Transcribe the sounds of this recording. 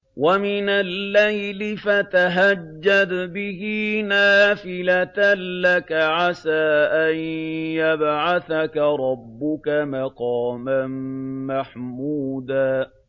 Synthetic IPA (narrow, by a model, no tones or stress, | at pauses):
wamɪnalːajlɪfat̪aɦad͡ʒːad̪bɪhɪnaːfɪlat̪lakaʕasaːʔanjabʕaθakaɾˤɑbːʊkamaqɑːmanmaħmuːd̪aː